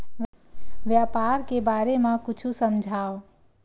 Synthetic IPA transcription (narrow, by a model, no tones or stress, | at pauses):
ʋ | ʋjapaːɾkebaːɾemãkʊt͡ʃʰusəmd͡ʒʱaːo